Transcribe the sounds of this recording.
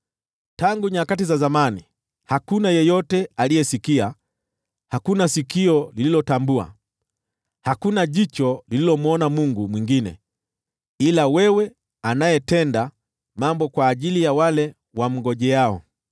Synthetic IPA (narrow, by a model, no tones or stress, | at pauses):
taŋɡuɲakatizazamani | hakunajɛjɔtɛalijɛsikia | hakunasikiɔlililɔtambua̰ | hakunaʄit͡ʃɔlililɔm̩ɔnamuŋɡumwiŋɡinɛ̰ | ilawɛwɛ | anajɛtɛnda | mambɔkwaːʄilijawalɛ | wam̩ɡɔʄɛaɔ̰